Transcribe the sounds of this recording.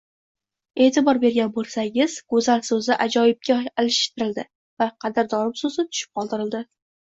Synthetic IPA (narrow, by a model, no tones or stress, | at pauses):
e̞ːt̪ʰɪbɒɾbe̞ɾɡʲanbolˠsaŋʲɪzɡ̥ʊzalsɵzɪʔad͡ʒɒjɪb̚kʲaːlɪʃɪ̥ʃt̪ʰɪɾɪld̪ɪ | vaqʰɑd̪ɪɾd̪ɒɾɪmsʊzɪt̪ʰʊ̥ʃɪ̥p̚qʰɒlˠd̪ɪɾɪld̪ɪ